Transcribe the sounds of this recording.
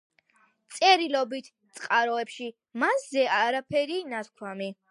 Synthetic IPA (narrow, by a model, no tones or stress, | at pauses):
t̪sʼɛɾilɔbit̪ʰ | t̪sʼqʼaɾɔɛpʃi | maszɛaɾapʰɛɾinat̪kʰwami